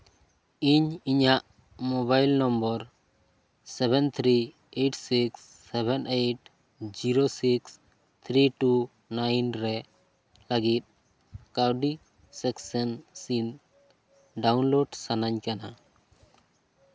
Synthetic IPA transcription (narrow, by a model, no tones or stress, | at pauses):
iɲiɲaʔ | mɔβajlnɔmbɔɾ | sɛbʱɛnt̪ʰɾi | eʈsiksːɛbɛneʈ | d͡ʒiɾosiks | t̪ʰɾiʈu | najnɾɛ | ləɡit̪̚ˀ | kawɖi | sɛksɛnsin | ɖawnloɖsanaɲkana